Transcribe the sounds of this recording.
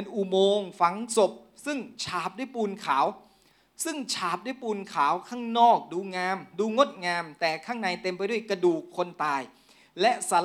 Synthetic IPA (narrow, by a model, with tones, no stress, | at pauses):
nʔu˨˩moː˧ŋfa˨˦ŋso˨˩p̚ | sɯ˥˩ŋt͡ɕʰaː˨˦p̚du˥˩jpuː˧nkʰaː˩˦w | sɯ˥˩ŋt͡ɕʰaː˦p̚du˥˩jpuː˧nkʰaː˩˦wkʰaː˥˩ŋnɔː˥˩k̚duː˧ŋaː˧mduː˧ŋo˦˥t̪̚ŋaː˧mt̪ɛː˨˩kʰaː˥˩ŋna˧jt̪e˧mp̬a˧jdu˥˩əjkɾa˧duː˨˩kʰːo˧nt̪aː˧j | lɛ˦˥ʔsaː˨˦